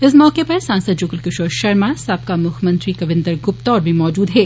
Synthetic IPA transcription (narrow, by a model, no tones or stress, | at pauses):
ɪs̬mɔːkepɐɾsãːnsəd̪̚d͡ʒʊːkəlkʊʃoːɾʃɐɾmasɐp̚kamʊkʰmɐ̃nt̪ɾikɐʋɪ̃nd̪əɾɡʊp̚t̪ɔːɾbʱimɔːd͡ʒuːd̪ɦɛː